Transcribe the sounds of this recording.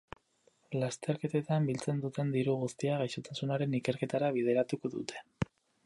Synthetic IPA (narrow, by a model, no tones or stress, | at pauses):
last̪e̞ɾke̞t̪e̞t̪ambilt͡se̞nd̪ut̪e̞nd̪iɾuɣust̪iaɣajsot̪asunaɾe̞nike̞ɾke̞t̪aɾaβ̞iðe̞ɾat̪uko̞ðut̪ʰe̞̥